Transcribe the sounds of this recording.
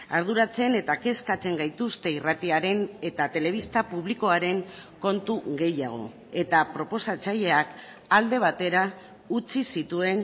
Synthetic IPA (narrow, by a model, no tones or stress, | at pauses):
aɾð̞uɾat͡se̞ne̞t̪ake̞skat͡se̞ŋɡajt̪ust̪e̞irat̪iaɾe̞ne̞t̪at̪e̞le̞β̞ist̪apuβ̞liko̞aɾe̞ŋko̞nt̪uɣe̞jaɣ̞o̞̰ | e̞t̪apɾo̞po̞sat͡saʎe̞ak | ald̪e̞β̞at̪e̞ɾa | ut͡sisit̪ue̞n